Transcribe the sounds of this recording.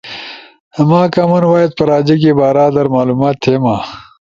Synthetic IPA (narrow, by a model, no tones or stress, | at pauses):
maːkamɐnwaːjɐt̪̚pɐɾaːd͡ʑik̬ebaːɾaːd̪ɐɾmaːluːmaːt̪hema